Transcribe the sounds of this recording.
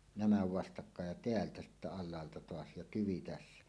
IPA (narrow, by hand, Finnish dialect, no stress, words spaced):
næmæ ʋɑstɑkːɑːj jɑ teæltæ sitːæ ɑlˑɑːltɑ toɑs jɑ tyʋi tæsːæ